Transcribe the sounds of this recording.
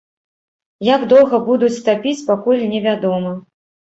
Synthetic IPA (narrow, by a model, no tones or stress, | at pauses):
jaɡd̪ɔwˠɣɐbud̪ut͡sʲt̪apʲit͡sʲpakulʲnʲɛvʲad̪ɔmɐ